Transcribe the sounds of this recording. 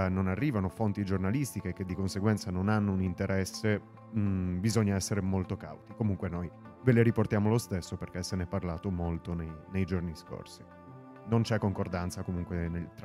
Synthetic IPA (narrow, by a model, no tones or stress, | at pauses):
nonarːiːvanofont̪id͡ʒornalist̪ikeked̪ːikonseɡwɛnt̪sanonanːounint̪eɾɛsːe | bizoɲːaɛsːeɾemolt̪oka̰wt̪ikomuŋkwenoj | veleɾiport̪jaːmolost̪esːoperk̟ɛsːenɛpːarlaːt̪omolt̪onejnejd͡ʒornisko̰rsi̥ | nont͡ʃɛkːoŋkord̪ant̪sakomuŋkwenelt̪ɾ